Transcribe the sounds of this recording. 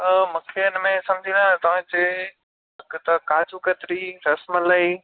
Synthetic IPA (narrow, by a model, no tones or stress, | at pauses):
mũkʰeɪnmẽsɐ̃md͡ʑʱĩlãt̪ɐʋ̤ãt͡ɕe | ɐkt̪ɐkaːt͡ɕukɐt̪ɾiɾɐsməlɐi